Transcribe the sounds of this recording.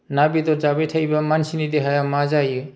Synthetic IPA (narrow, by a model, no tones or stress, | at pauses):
nabidɔzabetʰajbɐmansinideɦajamazaju